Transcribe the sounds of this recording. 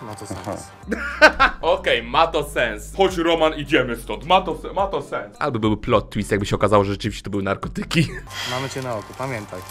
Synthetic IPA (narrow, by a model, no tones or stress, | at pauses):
mat̪ɔsɛ̰s | ɔkɛjmat̪ɔsɛnsxɔd͡ʑɾɔmanid͡ʑɛmɘst̪ɔt̪mat̪ɔsɛmat̪ɔsɛnsʔa̰lbɔbɘwplɔt̪ːwist̪jaɡ̚bɘɕɛɔkazawɔʐɛʐɛt͡ʂɨvʲiɕt͡ɕɛ̥t̪ɔbɘwɘnaɾkɔt̪ɘkʲimamɘt͡ɕɛnaɔkupamʲjɛnt̪aj